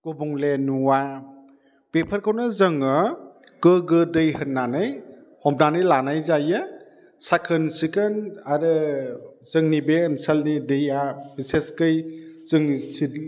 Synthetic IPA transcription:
kobuŋlenuwa | pepʰəɾkʰawnɯzɯŋɯ | kɯɡɯdɯjhɯnːanɯj | hɔm̚nanɯjlanajzajɯ | sakʰɯnsikɯnaɾɯ | zɯŋnibeːnsəlnidejabiseskɯjz̥ɯŋsit

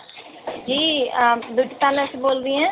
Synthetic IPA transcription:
d͡ʒiːd̪ʊʈʰpaːləsboːld̪iɛ̃ː

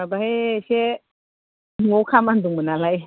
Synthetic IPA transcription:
abahese | ŋowkʰamanduŋmənalaj

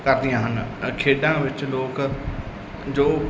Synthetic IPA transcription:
kəɾd̪ɪjãːɦənkʰeːɖãːʋɪt͡ʃloːk | d͡ʒoː

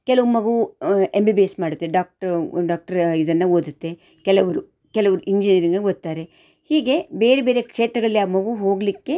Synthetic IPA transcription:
kɛlɐʋumɐɡuembibijesmaːɽut̪ːe̞ɖaːk̚ʈɖaːk̚ʈɐɾid̪ɐnːɐoːd̪ut̪ːe̞ | kɛlɐʋɐɾu | kɛlɐʋɐɾuʔiɲd͡ʒinijɐɾiŋɡɐɡod̪ːaːɾe̞ | hiːɡe̞beːɾebeːɾekʂeːt̪ɾɐɡɐɭlːiaːmɐɡuɦo̞ːɡlikːe̞

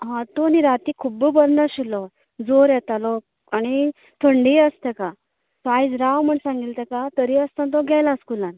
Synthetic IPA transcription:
ɦãt̪oniɾat̪ikʰubəbəɾnəɕilɔ | d͡zoɾjɛt̪alɔk̚ | añi | t̪ʰəɳɖiəst̪ɛka | sajd͡zɾawm̤əɳsãŋɡilt̪ɛkat̪əɾiəst̪ãnt̪̬ɔɡʱɛjlaskulãn

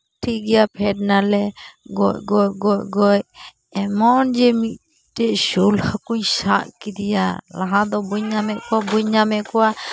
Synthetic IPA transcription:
ʈʰiɡɛjapʰɛɖ̚nalɛɡɔʔɡɔʔɡɔʔ̚ɡɔj | ɛmɔnd͡ʒɛmiʔ̪̚ | t̪ɛʔʃulhakuɲʃaʔkid̪ija̰laɦad̪ɔbuɲamɛʔkɔwabuɲːamɛkɔwa

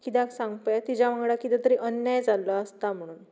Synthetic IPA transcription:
kit̪̬aksãŋɡpjat̪id͡ʑaʋãŋɡɽakit̪ɛt̪əɾiʔənjajd͡zalːəəst̪am̤əɽ̃uːn

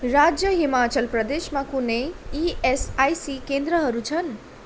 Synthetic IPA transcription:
ɾad͡ʒjəɦimat͡ʃʌlpɾʌd̪eʃmakunejiesajsikend̪ɾəɦʌɾut͡ʃʰʌn

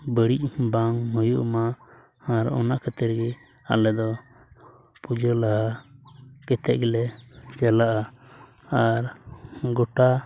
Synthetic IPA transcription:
bəɽic̚baŋnɔjuʔmaː | ɾɔ̰naʔkət̪ɛɾɡɛ | a̰lɛd̪ɔ | pud͡ʒəlaɦa | kɛt̪ɛʔ̚ɡɛlɛt͡ʃɛlaʔa | aɾɡɔʈa

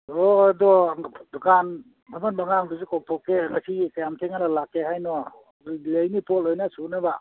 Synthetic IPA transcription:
ɔdɔdukʰan | mamanbaŋaŋdusikɔk̚tʰɔkːeŋasikajamtʰeŋaɾalakːeɦajnɔ | lejnipɔlojnasunaba

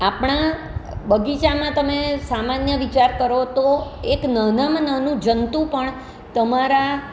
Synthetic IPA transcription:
apɳa | bəɡit͡ʃamãt̪əmesamanjəʋit͡ʃaɾkəɾot̪oeknənəmnənũd͡ʒənt̪ũpəɳ | t̪əmaɾa

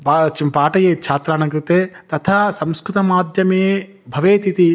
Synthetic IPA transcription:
pat͡ʃpaːʈɐjeːt͡ʃʰaːt̪ɾaːnɐŋkɾit̪eːt̪ɐt̪ʰɐsɐmskɾut̪ɐmaːd̪ʱjɐmeː | bʱɐʋeːt̪it̪i

